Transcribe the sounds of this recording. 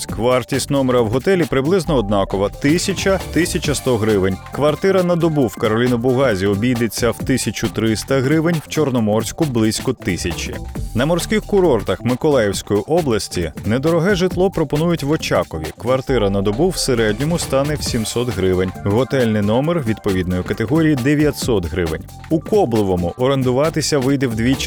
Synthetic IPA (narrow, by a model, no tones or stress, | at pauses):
kʋɑrtʲisʲt̪ʲnɔmeɾɐwɦɔt̪ɛlʲipɾɪblˠɪznɔːd̪nɑkɔʋɐt̪ɪsʲɐt͡ʃɐt̪ɪsʲɐt͡ʃɐst̪ɔɦɾɪʋɪnʲkʋɐrt̪ɪɾɐnɐd̪ɔbuwkɐɾɔlʲinʊbʊɣɑzʲiɔbʲijd̪et͡sʲːɐwt̪ɪsʲɐt͡ʃʲʊt̪ɾɪst̪ɐɦɾɪʋɪnʲw̥t͡ʃɔrnɔmɔrsʲkʊblˠɪsʲkɔt̪ɪsʲɐt͡ʃʲḭnɐmɔrsʲkɪxkʊɾɔrt̪ɐxmɪkɔlˠɛjewsʲkɔjiʔɔblˠɐsʲtʲinɛd̪ɔɾɔɦɛʒɪt̪lˠɔpɾɔpɔnujʊtʲʋɔt͡ʃɑkɔʋʲḭkʋɐrt̪ɪɾɐnɐd̪ɔbuwseɾɛd̪ʲnʲɔmʊst̪ɑnɛwsʲimsɔt̪ɦɾɪʋɪnʲɦɔt̪ɛlʲnɪjnɔmerʋʲid̪̚pɔʋʲid̪nɔjʊkɐt̪eɦɔɾʲijid̪eʋʲjɐt̪ʲsɔt̪ɦɾɪʋɪ̰nʲ | ukɔblˠɪʋɔmʊʔɔɾend̪ʊʋɑt̪ɪsʲɐʋɪjd̪ɛwd̪ʲʋʲi